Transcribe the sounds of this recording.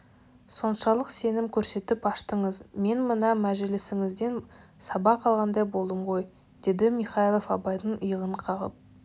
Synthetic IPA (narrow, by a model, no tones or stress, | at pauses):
so̞nʃɑlˠəqse̞nɪmkʲʰɵɾse̞t̪ɪpɑʃt̪əɴəzme̞nmənɑmæʒɪlɪsɪŋɪzd̪e̞nsɑbɑqʰɑlˠʁɑnd̪ɑjbo̞lˠd̪əmʁo̞j | d̪̥e̞d̪ɪmiχɑilˠofɑbɑjd̪əɴəjəʁəɴqʰɑʁə̰p̚